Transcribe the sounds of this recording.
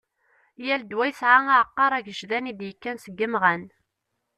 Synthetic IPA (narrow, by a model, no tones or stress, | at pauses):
jæld̪wæjsʕaaʕəqːɑɾˤæʝəʒðænid̪jəkːænsəɡːəmʁæn